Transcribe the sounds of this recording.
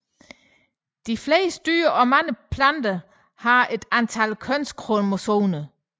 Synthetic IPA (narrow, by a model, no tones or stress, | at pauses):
d̥ifleːs̚d̥y̰ːɐʔɒ̽mæŋəpʰlænd̥ɐ | hɑ̈e̝d̥ænt͡sʰælkʰønskʰʁomosoːnə